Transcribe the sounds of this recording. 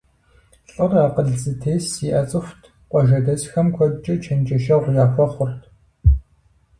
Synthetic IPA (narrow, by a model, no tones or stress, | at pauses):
ɬʼɨraːqəɮzɨtʰeːsiʔɐt͡sʼɨxʷtʰ | qʷʼɔʒɐdɐsxɐmkʷʰɔt͡ʃʼɐt͡ʃʰɐnd͡ʒɐʃɐʁʷjaːxʷɐχʷʊrtʰ